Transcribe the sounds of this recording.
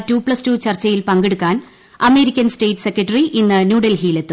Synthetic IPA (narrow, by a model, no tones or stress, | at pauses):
tuːpɭɐstut͡ɕɐrt͡ɕːɐjilpɐŋɡeɽukːaːn | ɐme̞ːɾikʲːɐnste̞ːʈːɨ̥se̞kːɐʈːɐriʔinːɨnjuːɽelɦiːle̞t̪ːu